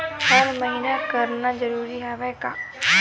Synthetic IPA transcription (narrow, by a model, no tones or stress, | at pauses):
həɾməɦiːnakəɾnazəɾuːɾiɦɛʋɛka̰ː